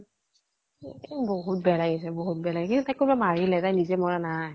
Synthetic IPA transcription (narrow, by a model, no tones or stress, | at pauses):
boɦut̚bɛlaɡis̬ɛboɦut̚bɛlaɡikintutajkːʊbamaɹilɛtajnizɛmɔɹanaj